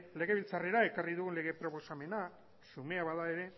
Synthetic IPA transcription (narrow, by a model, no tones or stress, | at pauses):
le̞ɣe̞βilt͡sare̞ɾae̞kariðuɣunle̞ɣe̞pɾo̞po̞same̞na | sume̞aβaðae̞ɾe̞